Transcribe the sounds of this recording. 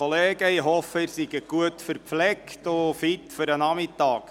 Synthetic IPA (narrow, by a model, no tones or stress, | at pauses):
ɔleːɡəiɦɔfəɪrsiɡəɡ̥uətfəɾpflɛktofɪtfʏɾənɑmɪtɑːk